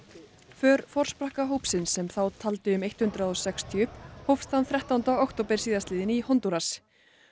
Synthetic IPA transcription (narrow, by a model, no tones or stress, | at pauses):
fœːɾfɔr̥spɾahkaɦoːwpsɪnsːɛmθawt̪ʰalt̪ɪʏmejht̪hʏnt̪ɾaðɔsɛkst̪ʰjʏhphowfst̪hanθɾɛht̪awnt̪awawkt̪owpɛɾ̥siːðast̪ɪːðɪnihɔnt̪uɾas